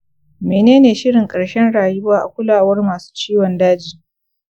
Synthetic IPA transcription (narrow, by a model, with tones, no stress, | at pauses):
meː˨neː˦neː˨ʃɪ˦ɽɪ˨ŋkʼɐ˨ɽʃɛ˦nɽaː˨jʊ˦baː˦ʔa̰˨kʷʊ˦laː˨wɐ˦rmaː˨su̥ː˦t͡ʃiː˦wɔ˨ndaː˦d͡ʒiː˨